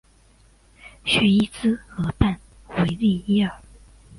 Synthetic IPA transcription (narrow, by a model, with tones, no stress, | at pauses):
ɕɥɛ˥˧i˥t͡sɹ̩˥xɤ˧˥pa˥˩n | we˧˥ɪli˥˩i˥ə˞˨˩˦